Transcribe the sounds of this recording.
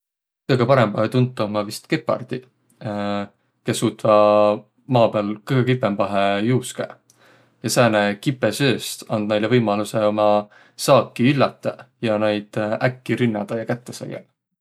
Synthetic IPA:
kɤjɡ̥epɑɾe̞mbɑhet̪unt̪ːɑomɑvist̪kepːˑɑ̰rd̪̥i | ke̞sːuːt̪ːˑvɑ | mɑːpeɑlkɯjɡ̥ekipːˑembɑɦejuːskæ̰ | jɑsæːnekipːesøːst̪ɑnd̪̥̚nejlevɤjmɑluse̞o̞mɑ | sɑːkˑːiylːɑt̪ːˑejɑnejd̪̥ʔækːiɾinːɑd̪̥ɑjɑkæt̪ːesɑ̰jḛl

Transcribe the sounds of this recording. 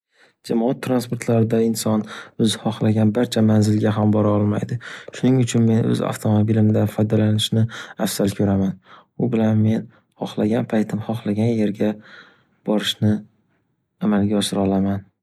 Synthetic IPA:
d͡ʒamɒat̪ʰːɾanspoɾt̪ʰlaɾɪd̪aɪnsɒnɵzhɒχlaɡʲanbaɾt͡ʃʰamanzɪlɡʲaɦambɒɾaɒlˠma̰jd̪ɪʃʊnɪŋʊt͡ʃʰʊnme̞nʔɵ̰za̰ft̪ʰomobilɪmd̪afɒjd̪alanɪʃnɪafsalkʲʰɵɾaman | ʊbɪlanme̞n | hɒχlaɡʲanpʰajt̪ʰɪmhɒχlaɡʲanje̞ɾɡʲa | b̥ɒɾɪʃnɪ | amalɡʲaɒʃɪɾɒlˠaman

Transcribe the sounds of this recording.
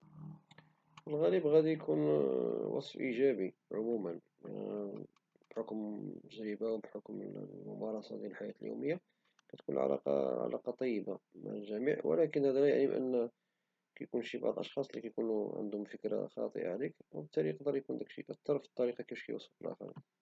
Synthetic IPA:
əlɣæləbɣæd̪ijkʰunwɑ̰sˤfʔiʒæbiʕʊmumən | b̥ħokməʒɾəbawbħʊkməlmʊmɑɾˤɑsɑd̪jælħajæt̪əljṵwməjːa | kæt̪kunlʕa̰lʔɑ̰qɑ̰ʕa̰lɑ̰qɑt̪ˤɑjːəbama̰ʕəlʒæmiʕwə̰lækənhæd̪ælæjaʕnibʔə̰nː | kæjkunʃibɑ̰ʕd̪ˤʔɑʃxɑsˤlikæjkunuʕə̰nd̪ʊmfəkɾa̰xɑ̰t̪ˤə̰ʔa̰ʕlikwəbt̪ʰːæɾiqd̪ɑɾˤjkund̪ækʃḭʔæk̚t̪ːɑɾˤfi̥t̪ˤːɑɾiqɑkifʃkæ̰jwɑsˤffəlʔæ̰xɑ̰ɾḭn

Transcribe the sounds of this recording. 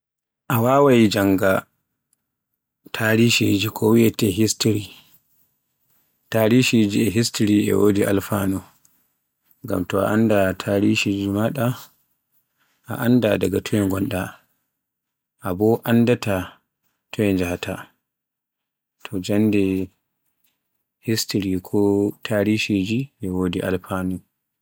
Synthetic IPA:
ʔawaːwajid͡ʒaŋɡa | tʰaɾiʃid͡ʒikʰɔwiɛtɛɦistɾi | taɾiʃid͡ʒiɛɦistɾiɛ̰wodiʔa̰lfanɔ | ŋɡa̰mtɔa̰ʔandatʰaɾiʃid͡ʒimaɗa | ʔa̰ʔandadaɡatʰɔwɛŋɡɔnɗa | ʔabɔʔandata | tʰɔwɛnd͡ʒahatʰa | tʰɔd͡ʒandɛ | histɾikʰɔtʰaɾiʃid͡ʒiʔɛwodiʔa̰lfaːnu

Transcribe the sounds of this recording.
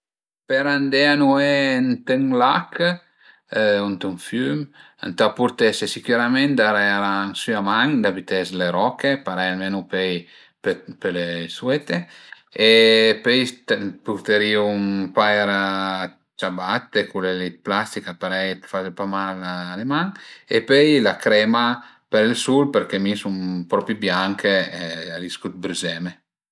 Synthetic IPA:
peɾand̪eanuent̪eŋlakʰ | unt̪uŋfym | a̰nt̪apuɾt̪esesikuɾament̪d̪aɾɛaɾaŋsyamaŋd̪abit̪ɛsleɾɔkepaɾɛananupɛj | pepeleswet̪e | epɛjt̪put̪eɾiumpajɾa | t͡ʃabat̪ːekulelit̪̚plast̪ikapaɾɛjt̪fat͡ʃepamalalemaŋepøjlakɾɛma | peɾilsulpeɾkemisumpɾɔpibjaŋkʰeliskut̪̚bɾyzɛme

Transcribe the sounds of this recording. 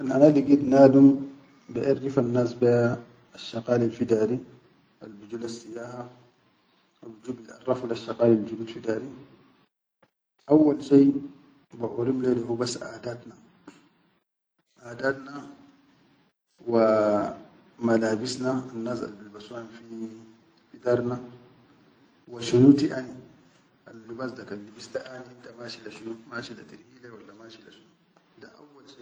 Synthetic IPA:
ʔanʔanaliɡid̪naːd̪um | biʔaɾːifanːaːsbia | aʃːɑqaːlalfid̪aːɾi | ʔalbid͡ʒuːlasːijaːha | ʔawud͡ʒuːbilʔa̰rˤːɑflaʃːɑqaːlald͡ʒubitfid̪aːɾi | ʔawːalʃej | baʕuɾimledahubasːʔaːd̪aːt̪na | ʔaːdatna | wa | malaːbisnaanːaza̰lbilbasuanfi | fidaɾna | waʃunutiʔani | ʔalːibasdakalːibisdaʔanidamaʃilaʃunumaʃilatiɾilawalːamaʃila̰ʃunudaʔawːalʃe

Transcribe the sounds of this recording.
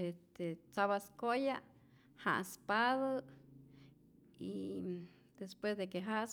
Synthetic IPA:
est̪et͡saβaskoja | ha̰ʔspaða | ḭ | d̪espwesd̪ek̬eɦas

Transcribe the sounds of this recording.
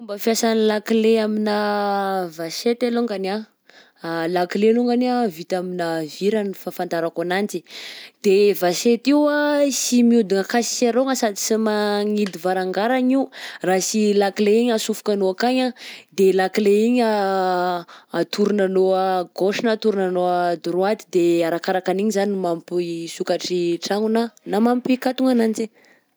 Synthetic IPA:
fumbəfiasanilakileamina | vaset̪eluŋɡana | lakileluŋɡanavit̪aminaviɾanifafand̪aɾakanant͡sid̪̥evaset̪iwasimiud̪iŋəkasi̥saɾoŋəsad̪isimaŋid̪ivaɾaŋɡaɾaɲiurasilakileiɲasufu̥kanoakaɲad̪elakileiɲa | t̪ʰuɾunanoəɡoʃinat̪uɾunanoad̪uɾuad̪i̥d̪eaɾakaɾakaniɲizanmampsukaʈ͡ʂiʈ͡ʂaŋunanamampikat̪uŋanand͡ʒi

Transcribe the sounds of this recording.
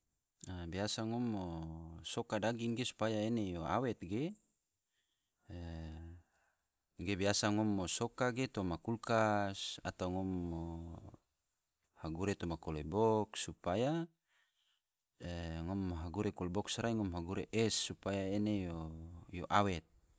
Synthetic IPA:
abiasaŋɔmːosokadaɡiŋɡesu̥pajaenejoa̰wɛt̪̚ɡe | ɡebiasaŋɔmːosokaɡet̪omakulkasa̰t̪awŋɔmːo | haɡuɾet̪ɔmakɔlebɔksupaja | ŋɔmɦaɡuɾekɔlebɔksɾaiŋɔmɦaɡuɾeʔɛsːupajaenejojoʔawɛt̪̚

